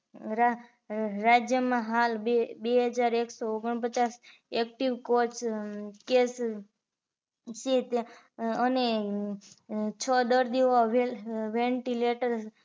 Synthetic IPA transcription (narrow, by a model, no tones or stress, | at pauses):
ɾad͡ʒjəmãɦalebeɦəd͡ʒaɾeksooɡəɳ̃pət͡ʃas | ek̚ʈiʋkot͡ʃkes | set̪ | əne | t͡ʃʰəd̪əɾd̪iʋoʋeʋeɳʈileʈəɾs